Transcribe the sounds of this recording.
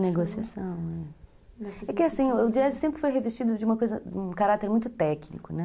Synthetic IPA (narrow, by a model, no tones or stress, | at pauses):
neɡosiasɐ̃w̃ɛ | ɛkɪasĩʊd͡ʒiɛzɪsẽmpɾɪfojɦevest͡ʃid̪ʊd͡ʒɪũmɐkojzɐũkaɾat̪eɾmũj̃t̪ʊt̪ɛknḭkʊnɛ